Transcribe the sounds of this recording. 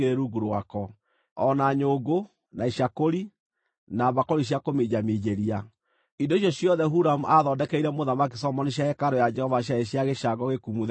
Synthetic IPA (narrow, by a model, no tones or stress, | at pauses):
eɾeɾuɡuɾwakɔ | ɔnaɲoːɡo | naiʃakoɾi | naβakɔɾiɕ̬jakomed͡ʒamid͡ʒeɾia | indoiɕ̬jɔɕjɔðɛɦuɾamuʔaðɔːdɛkɛiɾɛmoðamakisɔmɔneɕjaɛkaɾojad͡ʒɛhɔvaɕ̬jaeɕjaɣeʃaɡɔɣekumuð